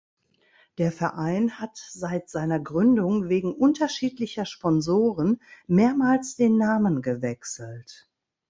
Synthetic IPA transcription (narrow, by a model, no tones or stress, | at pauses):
d̥eːɐfɛɐʔaɪnhatz̥aɪtz̥aɪnɐɡʁʏndʊŋveːɡŋ̩ʔʊntɐʃiːtlɪçɐʃpɔnzoːʁənmeːɐmaːlsd̥eːnːaːmənɡəvɛksl̩t